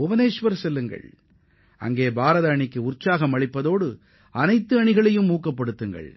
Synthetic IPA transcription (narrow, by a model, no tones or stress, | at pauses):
ʊbɐneːʂʋɐɾsɛlːɯŋɡɐ̰ɭ | ɐ̰ŋɡeːbaːɾɐðɐɐɳɪkːɯʊrt͡ʃːaːɣɐmɐɭɪpːɐðoːɽɯ | ɐnɐɪt̪ːɯɐɳɪɣɐɭɐjɯmːuːkːɐpːɐɽɯt̪ːɯŋɡɐ̰ɭ